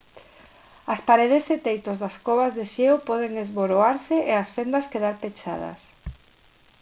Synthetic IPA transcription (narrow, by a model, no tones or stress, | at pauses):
ɐspaɾeðɪset̪ejt̪ozðɐskɔβazðeʃewpɔð̞eŋezβoɾoaɾseʔeasfend̪ɐskeðaɾpet͡ʃa̰ðɐ̰s